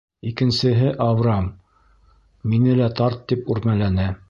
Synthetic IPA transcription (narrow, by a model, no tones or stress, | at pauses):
ikɘ̆nsɘ̆ɦɘʔavɾɑm | inɘlæt̪ɑɾt̪ːipʉɾmælænɘ